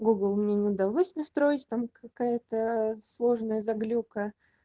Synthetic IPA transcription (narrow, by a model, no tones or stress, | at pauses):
ɡuɡlˠmnʲenʲɪʊd̪ɐlˠosʲnɐst̪ɾo̞ɪtʲt̪amkʰɐkajət̪əslˠo̞ʐnəjəzɐɡlʲukə